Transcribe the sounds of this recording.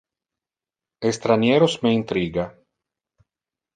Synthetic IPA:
est̪ɾanjeːɾosmeint̪ɾiːɡa

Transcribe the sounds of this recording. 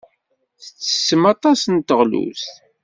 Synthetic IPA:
θət͡sːə̥səmɑt̪ˤɑsənt̪əʁlṵs

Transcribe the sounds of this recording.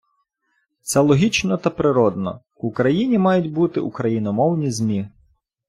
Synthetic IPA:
t̪sɛlˠɔɦʲit͡ʃnɔt̪ɐpɾɪɾɔd̪nɔ̰ | ukɾɐjinʲimɑjʊtʲbut̪ɪ̰ʔukɾɐjinɔmɔwnʲizʲmʲi

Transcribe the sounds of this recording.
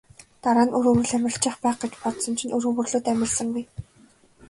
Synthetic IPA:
t̪aɾaːnɵɾɵ̆ɣɵ̆ɮæmʲɪ̆ɬt͡ɕɪ̆ːχpæːχɡ̥et͡ɕpɔt̪sɞ̆nt͡ɕʰĭnɵɾɵ̆ːɣɵ̆rɮoːt̪æmʲɪ̆ɮsə̆ŋɡuj

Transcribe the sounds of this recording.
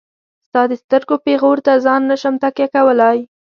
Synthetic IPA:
st̪ɑd̪əst̪əɾɡopeɣoɾt̪azɑnːaʃamt̪akekawəlaj

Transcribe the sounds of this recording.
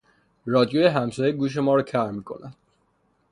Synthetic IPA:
rɒːd̪ijojeɦæmsɒːjeɡuːʃ̬e̞mɒːɾɔcʰæɾmiːkʰo̞̰næd̪̥

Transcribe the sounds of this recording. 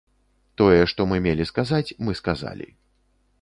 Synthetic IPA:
t̪ɔjɛʂt̪ɔmɨmʲelʲiskazat͡sʲmɨskaza̰lʲḭ

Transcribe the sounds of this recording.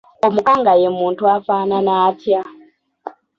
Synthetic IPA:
omukʼaŋɡajemuntʰuafananaːtʰia

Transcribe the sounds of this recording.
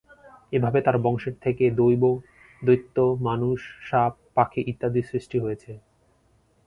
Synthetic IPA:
ebʱabet̪aɾbɔŋʃeɾt̪ʰeked̪ojbo | d̪ojt̪ːomanuʃːap̚ːakʰeʔit̪ːad̪isɾiʃʈiɦojet͡ɕʰe

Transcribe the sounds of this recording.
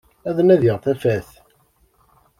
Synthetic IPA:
æðənæðjəʁθæfæθ

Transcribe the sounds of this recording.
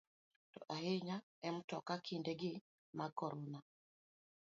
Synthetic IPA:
tɔ̰ʔaɦeɲa | ɛm̩tɔkakʰindɛɡɪ | makɔɾɔna

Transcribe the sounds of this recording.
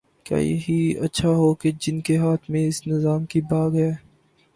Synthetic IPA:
kja̰ːjɐ̰ɦiɐ̰tːʃʰaɦoked͡ʒɪnkeɦaːt̪ʰmẽɪsnɪzaːmkibaːɡɦɛː

